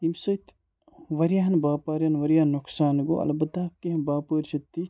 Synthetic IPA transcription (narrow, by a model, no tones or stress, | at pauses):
imsɐt̪ | ʋɐɾijaːnbaːpaːɾjɐnʋɐɾjaːnnːuksaːnɡo̰ʔɐ̰lɐbɐt̪aːkːeɐmbaːpəːɾʃɐt̪ːi